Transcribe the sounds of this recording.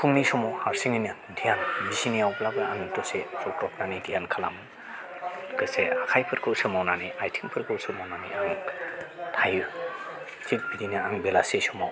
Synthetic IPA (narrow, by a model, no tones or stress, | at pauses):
kʰuŋnisɔmawhaɾsiŋiniandijanbisinijawblabɯanɯtɔsesɔkɾɔp̚nanidijankʰala̰mɯn | kɯseakʰajpʰɯɾkʰɯwsɯmawnaniajtʰiŋpʰɯɾkʰɯwsɯmawnaniaŋ | tʰaj | tʰik̚bidinaaŋbelasesɔmaw